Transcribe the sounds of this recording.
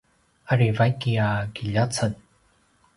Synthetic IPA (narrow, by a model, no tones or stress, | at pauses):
aɾivajkiakiʎat͡sʰən